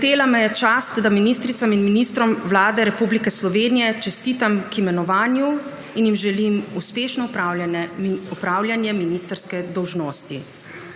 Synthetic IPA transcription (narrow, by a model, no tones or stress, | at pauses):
xt̪eːlamɛjɛt͡ʃaːst̪d̪aminiːst̪ɾit̪saminminiːst̪ɾɔmʋlaːd̪ɛɾɛpublikɛslɔʋeːnijɛt͡ʃɛst̪iːt̪amkimɛnɔʋaːnju | injimʒɛlimuspeːʃnɔupa | upɾaːwljanjɛminist̪əɾskɛd̪ɔwʒnoːst̪i